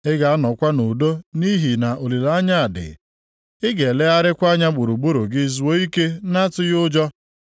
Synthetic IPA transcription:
ɪ˦ɡa˨a˦nɔ˨kʷa˦no˨do˦ni˦ɦi˨na˨ʔo˨li˨la˨˦ɲa˦a˨dɪ̰˨ | ɪ˦ɡe˨le˦a˦ɾɪ˦kʷa˦ɲa˦ɡ͡bu˨ɾu˨ɡ͡bu˦ɾu˨ɡɪ˦zu˨˦wo˦i˦ke˦na˦tʊ˦jʊ˦d͡ʒɔ˦

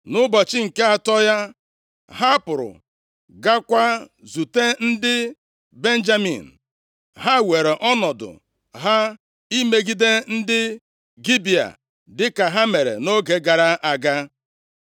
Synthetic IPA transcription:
nʊ˦bɔ˨t͡ʃɪ˦ŋ̩˨ke˦a˨tɔ˦ja˦ | ɦa˦pʊ˨ɾʊ̰˨ | ɡa˦kʷa˦zu˨te˦n̩˦dɪ˦ | be˦n̩˦d͡ʒa˦mḭ˨n̩˨ | ɦa˦we˨ɾe˨ʔɔ˦nɔ˨dʊ̰˨ | ɦa˦ | i˦me˦ɡi˦de˦n̩˦dɪ˦ | ɡi˦bi˨a̰˨ | dɪ˦ka˨ɦa˦me˨ɾḛ˨no˦ɡe˨ɡa˨ɾa˦ʔa˨ɡa˦

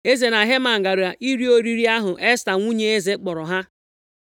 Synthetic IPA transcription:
e˦ze˨na˨ɦe˦ma˨ŋ̩˨ɡa˨ɾu˨a˨ʔi˦ɾi˦o˦ɾi˦ɾi˦a˦ɦʊ˨ʔe˦sta˨ŋʷu˦ɲe˦e˦ze˦k͡pɔ˨ɾɔ˨ɦa˦

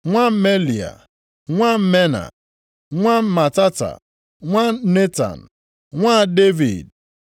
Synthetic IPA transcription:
ŋʷa˦me˦li˨a̰˨ | ŋʷa˦m̩˦me˦na̰˨ | ŋʷa˦ma˨ta˦ta̰˨ | ŋʷa˦ne˦ta̰˨n̩˨ | ŋʷa˦de˦vḭ˨d̚

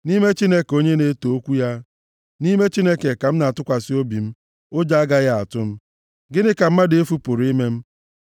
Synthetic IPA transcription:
ni˦me˦t͡ʃi˦ne˦ko˦ɲe˦ne˦to˨o˦kʷu˦ja˦ | ni˦me˦t͡ʃi˦ne˦ke˨ka˨m̩˦na˨tʊ˦kʷa˨sɪ˦o˦bi˨m̩˦ | o˦d͡ʒa˦a˦ɡa˦ɣa˦a˨tʊ˦m̩˦ | ɡɪ˦nɪ˦ka˨m̩˦ma˦dɪ˨e˦fu˦pʊ˨ɾi˦me˦m̩˦

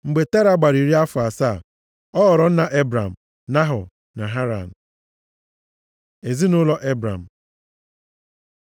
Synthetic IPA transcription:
ŋ͡m̩˨ɡ͡be˨te˦ɾa˦˨ɡ͡ba˨ɾi˨ɾi˦a˦fʊ˨a˨sa˦˨ | ɔ˦ɔ˨ɾɔ˨˦n̩˦na˨ʔe˦bɾa˨m̩˨ | na˦ɦʊ̰˨ | na˨ɦa˦ɾa̰˨n̩˨ | e˨zi˦nʊ˦lɔ˦ʔe˦bɾa̰˨m̩˨

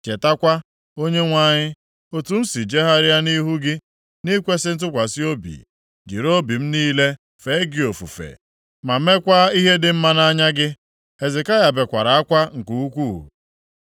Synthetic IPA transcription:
t͡ʃe˨ta˦kʷa˦ | o˦ɲe˦ŋʷa˦˨ɲɪ˦ | o˦tu˨n̩˦si˨d͡ʒe˦ɦa˦ɾɪ˦a˦ni˦ɦu˦ɡɪ˦ | ni˦kʷe˦sɪ˦n̩˦t̬ʊ˦kʷa˨si˦o˦bḭ˨ | d͡ʒḭ˨ɾo˦bi˨m̩˦niː˦le˦ | fe˨˦ɡɪ˨o˨fṵ˨fḛ˨ | ma˨me˦kʷa˦i˦ɦe˦dɪ˨m̩˦ma˦na˦ɲa˦ɡɪ˦ | e˨zɪ˨ka˦ja˨be˨kʷa˨ɾa˨a˦kʷa˦ŋ̩˨ku˦u˦kʷuː˦˨

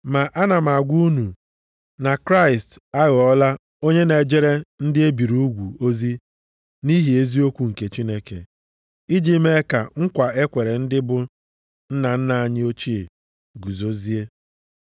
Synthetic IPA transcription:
ma˨ʔa˦na˨m˨a˨ɡʷu˦u˦nu˨ | na˨kɾa˦ɪ˨sta˦ɣɔ˦la˦ | o˦ɲe˦ne˨d͡ʒe˦ɾe˦n̩˦dɪ˦e˦bi˨ɾu˦u˦ɡʷu˨o˦zi˦ | ni˦ɦi˨e˦zi˦o˦kʷu˨ŋ̩˨ke˨t͡ʃi˦ne˦kḛ˨ | i˦d͡ʒi˦me˦ka̰˨ŋ̩˦kʷa˨e˦kʷe˨ɾe˨n̩˦dɪ˦bʊ˨ | n̩˦na˨n̩˦na˨a˨ɲɪ˦o˦t͡ʃi˦e˨ | ɡu˨zo˦zi˦e˦

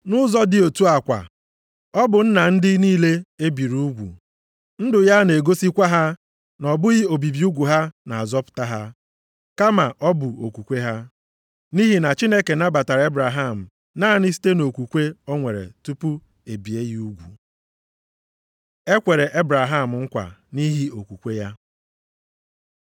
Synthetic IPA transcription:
nʊ˦zɔ˦dɪ˦o˨tu˦a˨kʷa̰˨ | ɔ˦bʊ˨n̩˦na˨n̩˦dɪ˦niː˦le˦e˦bi˨ɾu˦ɡʷṵ˨ | n̩˦dʊ˨ja˦ne˨ɡo˦si˦kʷa˦ɦa˦ | nɔ˨bʊ˦ɣɪ˦o˨bi˨bi˨˦u˦ɡʷu˨ɦa˦na˨a˨zɔ˦pʊ̥˨ta˦ɦa˦ | ka˦ma˨ʔɔ˦bʊ˨o˨kʷu˨kʷe˦ɦa˦ | ni˦ɦi˨na˨t͡ʃi˦ne˦ke˨na˦ba˨ta˨ɾa˨e˦bɾa˨ɦa˦˨m̩˨ | na˦˨ni˦s̬i̥˦te˦no˨kʷu˨kʷe˦ɔ˦ŋʷe˨ɾḛ˨tu˦pu˦ | e˨bi˨e˦ɣi˦u˦ɡʷu˨ | e˦kʷe˨ɾe˨ʔe˦bɾa˨ɦa˦˨m̩˨ŋ̩˦kʷa̰˨ni˦ɦi˦o˨kʷu˨kʷe˦ja˦

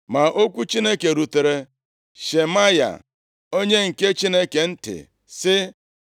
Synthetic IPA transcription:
ma˨ʔo˦kʷu˦t͡ʃi˦ne˦ke˨ɾu˨te˨ɾe˨ | ʃe˨ma˦ja̰˨ | o˦ɲe˦ŋ̩˨ke˦t͡ʃi˦ne˦ke˨n̩˦tɪ̰˨ | sɪ˦

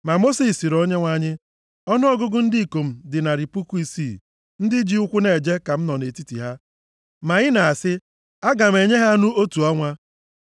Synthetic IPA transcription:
ma˨mo˦si˦˨si˨ɾo˦ɲe˦ŋʷa˦ɲɪ˦ | ɔ˦nʊ˦ɔ˦ɡʊ˦ɡʊ˦n̩˦di˦˨ko˨m̩˨dɪ˨na˨ɾi˨pu˦ku˦i˦si˦˨ | n̩˦dɪ˦d͡ʒi˦ʊ˦kʷʊ˦ne˨d͡ʒe˦ka˨m̩˦nɔ˨ne˨ti˦tḭ˨ɦa˦ | ma˨ɣɪ˦na˨a˨sɪ˦ | a˦ɡa˨m̩˨e˨ɲe˦ɦa˦a˦nu˦o˦tu˨ɔ˦ŋʷa˦

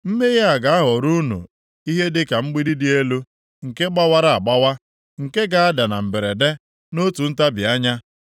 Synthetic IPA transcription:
m̩˦me˦ɣa˦a˨ɡa˨˦ɦɔ˨ɾu˦nṵ˨ | i˦ɦe˦dɪ˦ka˨ŋ͡m̩˦ɡ͡bi˦di˦dɪ˦e˦lu˦ | ŋ̩˨ke˦ɡ͡ba˦wa˦ɾa˦a˨ɡ͡ba˦wa˦ | ŋ̩˨ke˦ɡa˨a˦da˨na˨m̩˨be˨ɾe˨de˦ | no˦tu˨n̩˦ta˦bi˨a˦ɲa˦

